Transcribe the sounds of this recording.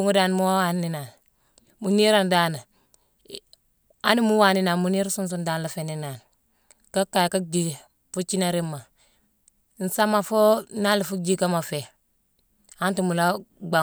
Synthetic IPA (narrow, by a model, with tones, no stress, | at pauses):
u˦ŋu˦da˨n˨mu˦wa˦wa˦˨nːi˦na˨n | mu˨ni˦ɾa˨nda˦na˨ | a˦ni˦mu˦wa˨ni˦na˨mu˨ni˦ɾsu˦ns̬u˦nda˦n˨la˨fe˨ni˦na˨n | ka˦kːa˨jka˦d͡ʒi˨ | fu˦t͡ʃi˦na˦ɾi˦mːa˨ | n̩˨sa˦ma˨fo˦na˦li˨fu˦d͡ʒi˦ka˦ma˨fe˨ | a˦ntu˨mu˨la˦ɡ͡ba˨